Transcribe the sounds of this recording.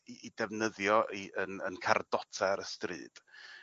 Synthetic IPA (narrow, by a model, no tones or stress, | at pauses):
iidɛvnəðjɔʔiʔənənkʰardɔtʰaɾəstrɨ̰ːd̥